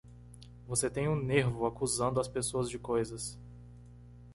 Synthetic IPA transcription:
voset̪ẽj̃ũneɾvʊakuzɐ̃nd̪ʊɐspesoɐzd͡ʒɪkojzɐs

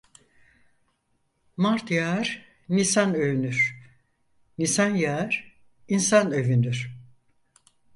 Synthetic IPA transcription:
maɾt̪ʰjaɾ̥ | nisanøvynyɾ̥ | nisanjaɾ̥ | insanøvynd̪yɾ̥

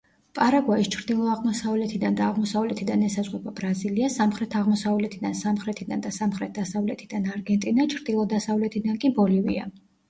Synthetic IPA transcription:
pʼaɾaɡwaist͡ʃʰɾd̪ilˠɔaʁmɔsavlɛt̪ʰid̪and̪aːʁmɔsavlɛt̪ʰid̪anɛsazʁʼɛbabɾaziliasamχɾɛt̪ʰaʁmɔsavlɛt̪ʰid̪ansamχɾɛt̪ʰid̪and̪asamχɾɛt̪̚ʰd̪̥asavlɛt̪ʰid̪anaɾɡɛnt̪ʼinat͡ʃʰɾd̪̥ilˠɔd̪asavlɛt̪ʰid̪ankʼibɔlivḭa̰

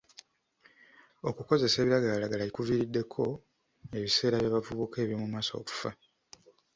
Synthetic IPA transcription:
o̞kuko̞ze̞se̞ːβiɾaɡaalaɡalalikuviɾidːe̞kʰo̞ | e̞βise̞ːɾaβjaβavuβukʰe̞ːβjomumaːso̰ku̥fa

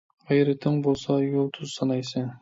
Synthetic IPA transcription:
ʁɑjɾɪt̪ʰɪŋbolˠsɑjʊlˠt̪ʰʊzsɑnɑjsɪn

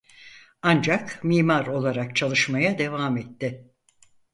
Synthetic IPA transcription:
and͡ʒakmiːmaɾo̞lˠaɾak̚t͡ʃʰalˠɯʃmajad̪e̞vaːmɛt̪ːɪ

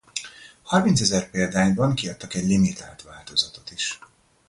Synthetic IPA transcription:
hɒrmint̪sɛzɛrpeːld̪aːɲbɒŋkiɒt̪ːɒkɛɟlimit̪a̰ːlt̪ʋaːlt̪o̞zɒt̪o̞t̪iʃ

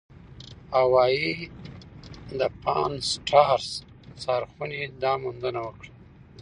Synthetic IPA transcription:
awɑji | d̪əpʰɑ̰nsʈʰɑɾs | sɑɾxunid̪ɑmund̪ənawəkɽa

